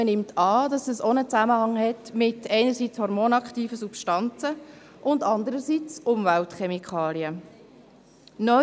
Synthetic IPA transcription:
ənɪmtʰɑːd̥ɑsəsonət͡sæməhɑŋhɛtmɪtʰɛɪnəɾsit͡shɔɾmonɑkχtiːfəsupʃtɑnt͡sə | ʔʊndɑndəɾəsit͡sʔʊmvæltχɛmikχɑːliə | nœ

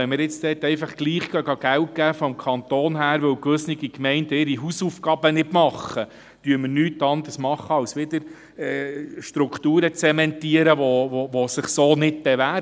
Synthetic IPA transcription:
ɛmɪɾjɪt͡stɛt̪ːɛɪfɑχɡ̥liːχɡœɡɑɡ̥æwt̚ɡ̥æːfɔmkʰɑnt̪oːnɦæːɾʋɵwkʋɵsnɪɡikmɛɪndɪɾiɦusufɡɑːbənɪtmɑχːə | tyːəɾməɾnyːtːɑnd̪ərsmɑχːəɑwsʋɪd̪əɾ | ɛʃtɾuktuːɾət͡sɛmɛntiəɾəʋoʋoʋosɪχsoːnɪt̚b̥ɛʋæːɾ

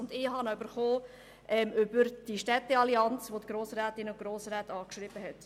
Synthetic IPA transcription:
ʊndɪːɦɑnɔʏbəɾχoː | ʔɛmʔʏbəɾd̥iʃtɛtəɑliɑnt͡sʋot̪ɡ̥ɾoːsɾæːtɪnʊɡ̥ɾoːsɾæːtɑːkʃɾɪb̥əɦɛt

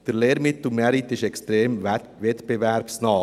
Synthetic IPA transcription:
d̥əɾleːɾmɪt̪lumɛɾit̪ːɪʃɛkst̪ɾeːm | vɛt̪peʋæɾpsnɑː

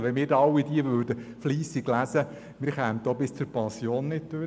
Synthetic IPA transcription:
ʋɛmɪːɾdɑwːidiəʋøːɾdəfliːsɪɡlæzə | mɪːɾχæːmt̚d̥̪oːbɪst͡sʊɾpɑnsjoːnːɪt̚d̥øɾ

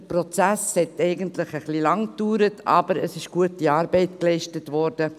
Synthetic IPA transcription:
prɔt͡sæshɛtɛɪɡəntlɪχəχlilɑŋ̚d̥yːɾətʰɑ̰bəɾəsɪʃɡ̥uətiɑːɾbɛɪtklɛɪʃtətvɔɾdə

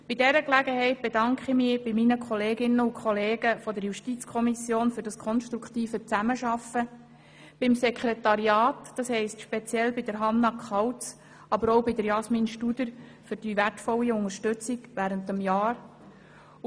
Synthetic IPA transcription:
b̥idɛɾəklæɡəhɛɪt̚b̥edɑŋkχimɪb̥iminəkʰɔleːɡɪnːəʊkʰχɔleːɡ̥əfɔdəɾjuʃtit͡skʰɔmisjoːnfyːɾd̥ɑskʰɔnʃtɾukt̪iːfət͡sæməʃɑfə | b̥ɪmsɛkχɾetɑɾjɑːtd̥ɑshɛɪstʃpet͡sjɛlbɪd̥əɾɦɑnːɑkχɑwt͡s | ɑbəɾɔʊbɪdəɾjɑsminʃtud̥̪əɾfʏɾd̥iʋætfɔlːiʊŋəɾʃtʉt͡siɡʋæːɾəntəmjɑːɾ

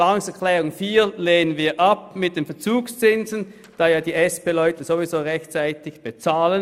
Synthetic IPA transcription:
aːʊŋsɛɐkʰlɛːʁʊŋfiːleːnənviːɐʔap̚mɪt̚d̥eːnfɛɐt͡suːkst͡sɪnzən | d̥aːjaːdiːʔɛspeːlœʏtəzovizoːʁɛçtt͡saɪtɪçb̥et͡saːlən

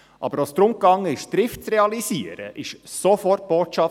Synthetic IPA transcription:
ʔɑ̰bəɾost̪ɾʊmkɑŋːəɪʃd̪ɾɪftt͡sɾɛɑlisiəɾə̰ʔɪʃsofɔrt̚b̥oːtʃɑ

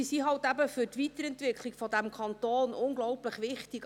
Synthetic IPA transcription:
isiɦɑltæbəfʏtʋitəɾɛntʋɪkʰliɡ̥fɔdæmkʰɑntoːnʔʊŋɡlɔʊpləχʋɪχtiɡ

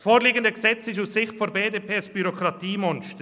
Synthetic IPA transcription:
sfoːɾliːɡəndəɡəzɛt͡sɪʃussɪxtfɔbeːdeːpʰeːsb̥yɾokɾɑtiːmɔnʃt

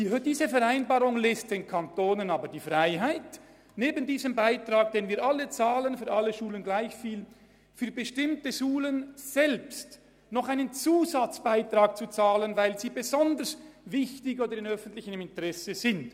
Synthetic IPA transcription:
d̥iːzəfɛʁaɪnbaːʁʊŋlɛst̚d̥eːnkʰantoːnənaːbədiːfʁaɪɦaɪt | neːbən̩diːzəmbaɪtʁaːk̚d̥eːnviːʔalːət͡saːlənfyːɐʔalːəʃuːlənɡlaɪçfiːl | fyːɐbəʃtɪmtəʃuːlənz̥ɛlpst | nɔχaɪnənt͡suːzat͡sb̥aɪtʁ̥aːk̚t͡sut͡saːlənvaɪlziːbəzɔndəɾsvɪçtɪkoːdəɾɪnœfən̩tlɪçənɪmɪntəʁɛsəzɪnt

